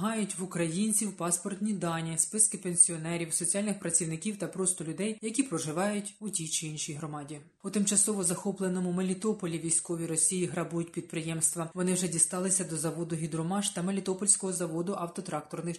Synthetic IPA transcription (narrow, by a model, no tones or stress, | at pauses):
ɦɑjʊtʲʋʊkɾɐjinʲt͡sʲiwpɑspɔrt̪ʲnʲid̪ɑnʲispɪskɪpenʲsʲiɔnɛɾʲiwsɔt͡sʲiɑlʲnɪxpɾɐt͡sʲiwnɪkʲiwt̪ɐpɾɔst̪ʊlʲʊd̪ɛjjɐkʲipɾɔʒɪʋɑjʊtʲʊtʲit͡ʃɪinʃʲijɦɾɔmɑdʲi | ʊt̪ɪmt͡ʃɐsɔʋɔzɐxɔplˠenɔmʊmelʲit̪ɔpɔlʲiʋʲijsʲkɔʋʲiɾɔsʲijiɦɾɐbujʊt̚ʲpʲid̪̚pɾɪjɛmst̪ʋɐʋɔnɪwʒɛdʲist̪ɑlˠɪsʲɐd̪ɔzɐʋɔd̪ʊɦʲid̪ɾɔmɑʃt̪ɐmelʲit̪ɔpɔlʲsʲkɔɦɔzɐʋɔd̪ʊʔɐwt̪ɔt̪ɾɑk̚t̪ɔrnɪx